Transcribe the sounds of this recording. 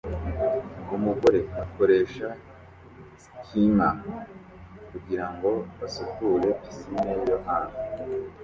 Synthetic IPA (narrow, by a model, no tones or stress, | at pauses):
ɡumuɡoɾe̞ako̞ɾe̞ːʃa | ciman | kuɡiɾaŋɡo̞βasukule̞isinejoɦaːnu